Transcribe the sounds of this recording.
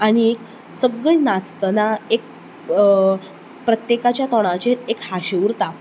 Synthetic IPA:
aɽ̃iek | səɡɭinat͡st̪ənaek̚ | pɾət̪jekat͡ɕjat̪ɔɽ̃ãt͡ɕeɾekhaɕeʋɾt̪a

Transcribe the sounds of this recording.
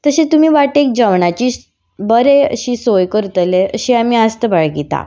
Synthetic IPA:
t̪əɕẽt̪um̤iːʋaʈek̚d͡ʑəʋɳat͡ɕiː | bəɾeə̰ɕiːsojkəɾut̪əleəɕiamiːast̪əbaɭɡit̪a̰

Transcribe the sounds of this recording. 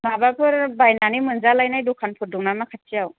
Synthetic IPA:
mabapʰɯɾbajnanimɯnzalajnajdukʰanpʰɯt̚duŋnamakʰat̚t͡ʃijaw

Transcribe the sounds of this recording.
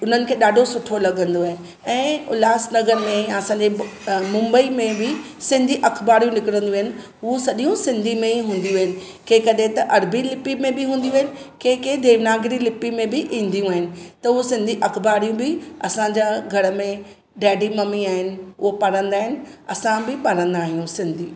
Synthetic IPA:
ʊn̤ənɪ̆kʰeːɗaːɖʱosʊʈʰolɐɡə̃nd̪oaːɦe | ɛ̃ːʊ̰laːsnɐɡəɾmẽɐsãːɲd͡ʑemʊ̃mbəimẽbɪ | sɪ̃nd̪ʱiʔɐkʰbaːɾijũnɪkɪɾə̃nd̪uɐɦɪnɪ̆ | ɦusɐɗijũsɪ̃nd̪ʱimẽiɦũːn̆d̪ijũʋɦɪnɪ̆ | kẽkɐɗɦẽt̪ɐʔɐɾbilɪpimẽbɪɦũːnd̪ijũɐɦɪnɪ̆kẽːkẽd̪ʱeːʋnaːɡɾilɪpːimẽbɪʔĩːnd̪ijũaːɦɪnɪ̆t̪ɐɦʊsɪ̃nd̪ʱiʔɐkbaːɾijũbɪɐsãɲd͡ʑaɡʱɐɾəmẽ | ɖɛːɖimɐmiaːɦɪnɪ̆ʊɦopɐɾə̃nd̪aːɦɪnɪ̆ɐ̰sãbɪpɐɾ̤ə̃nd̪aːɦijũsɪ̃nd̪ʱiː

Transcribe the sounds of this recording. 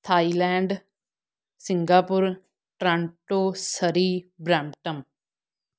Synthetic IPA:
t̪ʰaːiːlɛ̃ːɳɖ | sɪŋɡaːpʊɾ | ʈɾãːɳʈoːsəɾiːbɾãːmʈəm

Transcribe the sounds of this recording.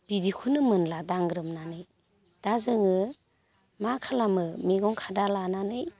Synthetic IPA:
b̥idikʰunɯmɯnladaŋɡɾɯmnanɯj | d̥azɯŋɯ | makʰalamɯmiɡɔŋkʰadalananɯj

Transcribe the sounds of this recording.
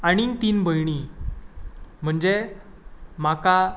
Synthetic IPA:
aɽ̃int̪iːnbʱəjɳ̃i | m̤əɳd͡ʑe | maka

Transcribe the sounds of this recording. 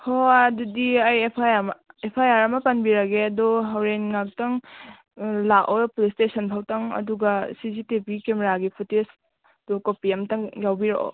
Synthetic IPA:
hoɐdudiajepʰajaɾmɐepʰajaɾɐmɐpɐnbiɾɐɡeɐdɔɦawɾenŋak̚tɐŋ | laʔɔpulistesɐnpʰawtɐŋɐ̰duɡɐsizitipikemeɾaɡipʰutes | dukopiɐmtɐŋjawbiɾoʔɔ̰

